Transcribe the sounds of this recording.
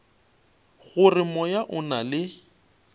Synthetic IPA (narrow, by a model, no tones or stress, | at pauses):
ɣʊrɪmɔjaʔʊnalɪ